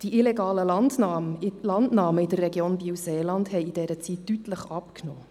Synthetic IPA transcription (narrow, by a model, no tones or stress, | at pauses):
d̥iʔileɡɑːləlɑndnɑlɑndnɑːməid̥ərːɛɡjoːnbiwseːlɑndhɛɪidɛɾət͡sittːytləχɑpknoː